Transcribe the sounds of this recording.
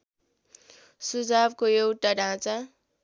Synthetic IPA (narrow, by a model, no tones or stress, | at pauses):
sud͡zabkojewʈaɖʱãt͡sa